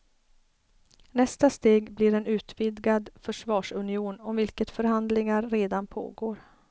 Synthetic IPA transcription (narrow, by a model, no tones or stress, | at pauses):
nɛst̪ast̪eːɡblɪɾɛnʉ̟ːt̪vɪd̪ɡad̪fœʂvɑːʂɵnɪuːnɔmvɪlkət̪fœɾɦand̪lɪŋaɾːeːd̪anpʰo̰ːɡoːɾ